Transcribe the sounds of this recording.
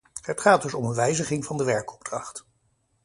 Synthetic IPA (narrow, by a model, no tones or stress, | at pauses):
ɦətχaːd̚dɵsɔmənʋɛjzəχɪŋvɑndəʋɛɹkɔ̥b̚drɑχt